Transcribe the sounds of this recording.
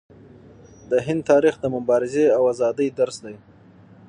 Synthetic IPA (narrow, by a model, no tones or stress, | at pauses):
d̪əɦɪnd̪̚t̪ʰɑɾixd̪əmʊbɑɾɪzeawazɑd̪əjd̪aɾsd̪aj